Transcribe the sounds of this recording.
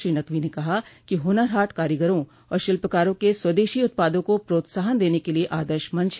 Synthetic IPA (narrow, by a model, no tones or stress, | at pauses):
ɾiːnɐkʋinekɐɦakiɦʊnəɾɦaːʈkaːɾjəɡəɾõ | ɔ̰ːɾʃɪlpəkaːɾõkeswɐd̪eːʃiʊt̪̚paːd̪õkopɾoːt̪saːɦənd̪eːnekelieʔaːd̪əɾʃmɐ̃nt͡ʃʰ